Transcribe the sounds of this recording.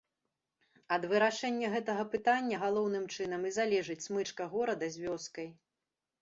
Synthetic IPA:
ɐd̪vɨɾaʂɛnʲːɐɣɛt̪ɐɣɐpɨt̪anʲːɐɣalˠɔwn̪ɨmt͡ʂɨn̪ɐmɨzalʲɛʐɨt͡sʲsmɨt͡ʂkɐɣɔɾɐd̪ɐzʲvʲɔskɐj

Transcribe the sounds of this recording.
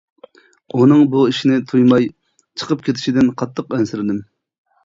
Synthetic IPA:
unɨŋbuiʃinɪt̪ʰujmɑj | t͡ʃʰə̥qʰəp̚kʲʰet̪ʰɪ̥ʃid̪ɪnqʰɑt̪ʰːəqɛnsɪɾɪd̪ɪm

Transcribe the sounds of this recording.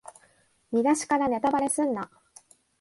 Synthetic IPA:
mʲiɡ̪aɕi̥kaɾane̞t̪abaɾe̞sɨ̃nːa

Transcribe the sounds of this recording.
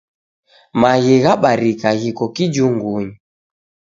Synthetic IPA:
maɣiɣaɓaɾikaɣikɔkid͡ʒuŋɡuɲi

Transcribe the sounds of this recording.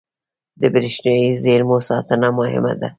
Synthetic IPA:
d̪əbɾiʃnjɑjizeɾmosɑt̪ənamʊhɪ̰ma̰d̪a

